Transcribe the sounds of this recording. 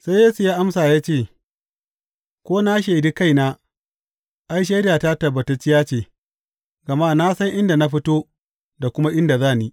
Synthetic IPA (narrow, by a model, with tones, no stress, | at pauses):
sa˦jeː˦su˨jaː˦ʔa˦msaː˨jaː˦t͡ʃeː˦˨ | kʷoː˦na˦ʃ̬e˨di˦ka˦jnaː˦ | ʔa˦jʃ̬e˦daː˨ta˦tɐ˨bːɐ˨te˦t͡ʃːɪ˦jaː˦t͡ʃeː˨ | ɡɐ˨maː˦na˦sɐ˦ŋʔɪ˦nda˨na˦ɸɪ˦toː˦ | da˨kʷʊ˦ma˦ʔɪ˦nda˨zaː˦˨ni˦